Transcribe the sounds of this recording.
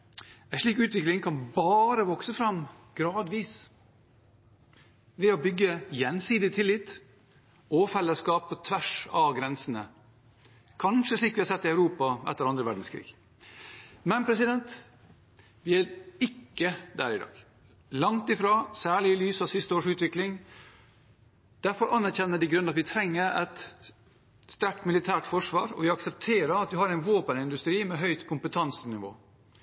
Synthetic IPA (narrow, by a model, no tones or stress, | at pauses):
æʂɭiːkʉːt̪ʋɪklɪŋkʰɑnbɑːɾəʋɔksəfɾɑm | ɡ̥ɾɑːd̪ʋiːs | ʋɛɔbʏɡːəjɛnsiːd̪ɪt̪ʰɪlːɪt̪ː | oːfɛlːəskɑːpɔt̪ʰʋæʂɑɡɾɛnsənə | kʰɑnʂəsɭiːkʋɪhɑsɛt̪ːɪœʉɾuːpɑʔɛ̰t̪ːəɾɑnd̪ɾəʋæɖn̩skʰɾḭːɡ̥ | mɛnpʰɾɛsɪd̪ɛnt̪ | ʋɪæɾɪkːəd̪æ̰ːɾɪd̪ɑ̰ːɡ | lɑŋt̪ɪfɾɑːsæːɭɪɪlyːsɑʋsɪst̪əoːʂʉːt̪ʋɪklɪŋ | d̪̥æɾfɔɾʔɑnːæɾçɛnːəɖɪɡɾʉnːəɑt̪ʋɪt̪ʰɾɛŋːəɾɛt̪ | st̪æʈmɪlɪt̪ʰæːʈfɔʂʋɑ̰ːɾɔ̰ʋɪɑksɛp̚t̪ʰeːɾəɾɑt̪ʋɪɦɑɾɛɪnʋoːpənɪnd̪ʉst̪ɾiːmɛɦœʏt̪kʰʊmpət̪ʰɑnsənɪʋo̰ː